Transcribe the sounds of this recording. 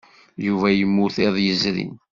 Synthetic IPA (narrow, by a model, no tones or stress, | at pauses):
juvæjəmːʊθeðˤjəzɾḭn